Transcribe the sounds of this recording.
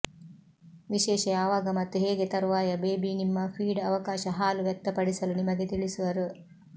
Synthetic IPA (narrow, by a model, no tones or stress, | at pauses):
ʋiʃɛːʃɐjaːʋɐɡɐmɐt̪ːuɦeːɡet̪ɐɾʋaːjɐbeːbinimːɐpʰiːɖɐʋɐkaːʃɐɦaːluʋjɛk̚t̪ːɐpɐɽisɐlunimɐɡet̪iɭisuʋɐɾu